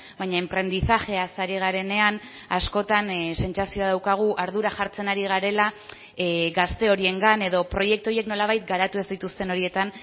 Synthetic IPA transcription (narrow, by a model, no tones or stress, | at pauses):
bajɲaempɾe̞nd̪isaxe̞asaɾiɣ̞aɾe̞ne̞an | asko̞t̪anse̞nt͡sasio̞aðawkaɣ̞uʔaɾðuɾaʝaɾt͡se̞naɾiɣ̞aɾe̞la | ɡast̪e̞o̞ɾie̞ŋɡane̞ðo̞pɾo̞je̞k̚t̪uo̞je̞kno̞laβ̞ajt̪̚ɡaɾat̪ue̞zd̪it̪ust̪e̞no̞ɾie̞t̪an